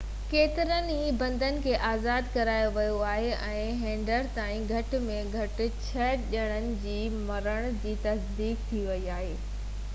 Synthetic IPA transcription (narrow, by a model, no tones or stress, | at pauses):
keːt̪ɪɾəniːbɐ̃nd̪ənɪ̆kʰeːʔaːzaːd̪kɐɾaːjoʋɐjoaːɦeʔɛ̃ːɦẽːɳɖəɾt̪aːĩɡʱɐʈɪ̆mẽɡʱɐʈɪ̆t͡ɕʰɐʄəɽ̃ənɪ̆d͡ʑiː | mɐɾəɽ̃d͡ʑiːt̪ɐsd̪iːkt̪ʰiʋɐiaːɦeː